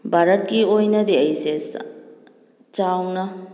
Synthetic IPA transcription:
bʱaɾət̚kiojnɐd̪iəjses | t͡ʃawnɐ

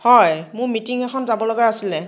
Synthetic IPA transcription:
hɔjmʊɹmitiŋɛkʰɔnzabɔlɔɡaasilɛ

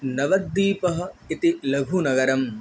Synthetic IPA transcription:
nɐʋɐd̪ːiːpɐɦɐ̆it̪ilɐɡʱunɐɡɐɾɐm

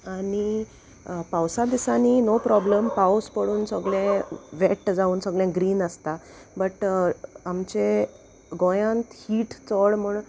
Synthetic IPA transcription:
ani | pawsad̪isaninopɾɔbləmpawspəɽuːnsəɡlẽʋeʈd͡zauːnsəɡlẽɡɾiːnəst̪a | bəʈamt͡ɕe | ɡojãnt̪hiːʈt͡sɔɽm̤uɽ

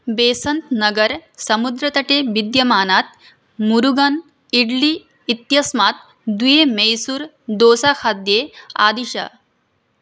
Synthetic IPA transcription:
beːsɐnt̪nɐɡɐɾsɐmud̪ɾɐt̪ɐʈeːʋid̪jɐmaːnaːt̪̚ | muɾuɡɐn | iɽliː | t̪jɐsmaːt̪ | d̪ujemejsuːɾ | d̪oːsaːkʰaːd̪jeːa̰ːd̪iʃɐ̰

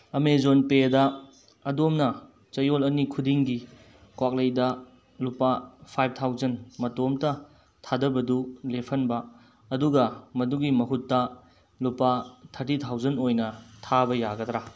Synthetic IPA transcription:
ɐmezonpedɐ | ɐdomnɐ | t͡ʃɐjolɐnikʰudiŋɡi | kwak̚lɐjdɐ | lupapʰajb̚tʰawzɐnmɐtomtɐ | tʰadɐbɐdulepʰɐnbɐː | duɡɐmɐduɡimɐɦutːɐ | lupatʰɐɾtitʰawzɐnojnɐtʰabɐjaɡɐt̪ɾa

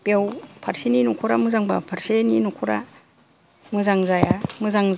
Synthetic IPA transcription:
bjawpʰaɾseninukʰuɾamuzaŋbapʰaɾseninukʰuɾa̰ | muzaŋzajamɯzaŋ

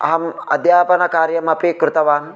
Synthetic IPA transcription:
ɐ̰ɦɐmɐ̰d̪jaːpɐnɐkaːɾjɐmɐpikɾut̪ɐʋaːn

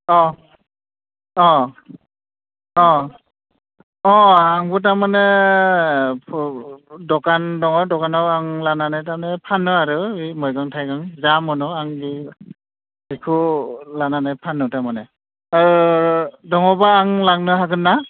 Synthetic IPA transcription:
ɔ | ɔ | ɔaŋbɯt̬amane | pʰ | dɔkandɔŋɔdɔkanɔaŋlananajtanɛpʰanːɯaɾɯmɔjɡɔŋtʰajɡɯŋzamɔnɔaŋbi | ikʰulananajpʰanːɯtamanɛ | aɾɯ | dɔŋɔbaːŋlaŋnɯɦaɡɯnːa

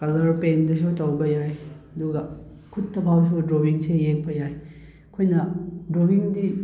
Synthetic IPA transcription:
kɐlɐɾpendɐs̬utawbɐjajɐduɡɐ | kʰutːɐpʰaws̬udɾobiŋsejek̚pɐjaj | kʰojnɐdɾobiŋdi

